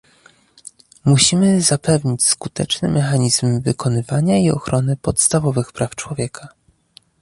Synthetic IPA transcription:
muɕimɘzapɛvɲit͡ɕskut̪ɛt͡ʂnɘ̰mʔɛxaɲizmvɘkʰɔnɘvaɲaiɔ̰xɾɔnɘpɔt̪st̪avɔvɘxpɾʔaft͡ʂwɔvʲjɛkʰa

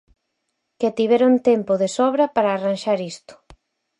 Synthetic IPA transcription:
keat̪iβɛɾont̪ɛmpʊðesɔβɾɐpaɾaːranʃaɾist̪ʊ̥

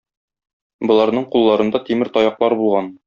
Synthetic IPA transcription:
bɤ̆lˠɑɾnɤɴqulˠːɑɾɤ̆nd̪ɑt̪imɘɾt̪ɒjɑqlˠɑɾbulˠʁɑn

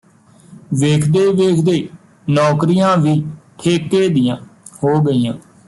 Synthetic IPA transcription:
ʋeːkʰd̪eːʋeːkʰd̪eː | nɔːkɾijãːʋiːt̪ʰeːkːeːd̪ɪjãːhoːɡəiːjãː

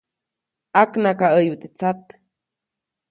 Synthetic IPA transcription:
aknakaʔəjbut̪et͡sat̪

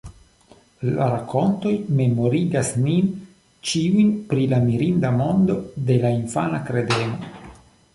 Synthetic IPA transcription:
la̰ɾako̞nto̞jme̞mo̞ɾiɡasnin | t͡ʃiujnpɾilamiɾindamo̞ndo̞de̞lainfanakɾe̞deno̞

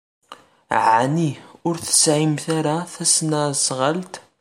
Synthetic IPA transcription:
ʕniʊɾθə̥sʕimθaɾaθæsnasʁəlt̪

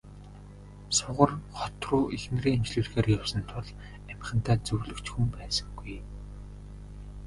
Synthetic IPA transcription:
sʊʁə̆rχɔt̪ruːʔixn̆riːemt͡ɕɮuːɮxeːrjawsə̆nt̪ʰʊɮ | æmχə̆nt̪ʰæːt͡sɵɣɮɵ̆kt͡ɕxumpæːsə̥̆ŋɡuj

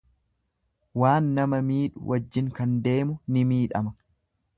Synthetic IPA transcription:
waːnːɐmɐmiːᶑʊ̰wʔɐd͡ʒːɪŋkɐnd̪e̞ːmʊnɪmiːᶑɐmɐ

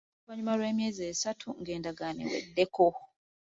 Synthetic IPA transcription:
βaɲumaɾwe̞ːmjeːzeːsatʰuŋɡe̞ːndaɡaːnḛwḛdːe̞ko

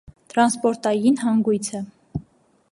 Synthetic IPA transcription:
t̪ɾɑnspɔɾt̪ɑjinɦɑŋɡujt͡sʰə

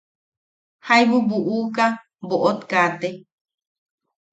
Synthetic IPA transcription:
hajβubuʔuka | boʔot̪kat̪e

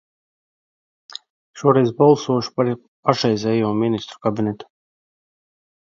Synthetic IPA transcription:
ʃuɔɾɛj̪balˠsuɔʃu̥paɾ | paʃɛjzʲɛjuɔminist̪ɾu̥kabinɛt̪u̥

